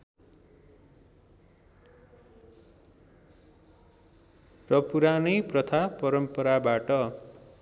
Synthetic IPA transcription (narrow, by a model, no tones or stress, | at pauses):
rʌpuɾanʌjprʌt̪ʰapʌɾʌmpʌɾabaʈʌ